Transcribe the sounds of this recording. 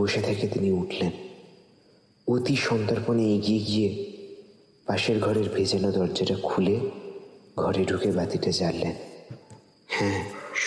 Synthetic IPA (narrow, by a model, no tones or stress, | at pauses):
oʃet̪ʰeket̪iniuʈʰlen | ot̪iʃɔnt̪aɾponeeɡieɡije | paʃeɾɡʱɔɾeɾbʱed͡ʑanod̪ɔɾd͡ʑaʈakʰule | ɡʱɔɾeɖʱukebat̪iʈad͡ʑalːen | hɛ̃